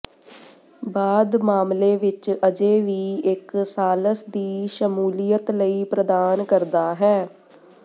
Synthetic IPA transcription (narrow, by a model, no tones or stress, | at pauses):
baːd̪maːmleːʋɪt͡ʃəd͡ʒeːʋiːɪksaːləsd̪iːʃəmuːlijət̪ləiːpɾəd̪aːnkəɾd̪aːɦɛː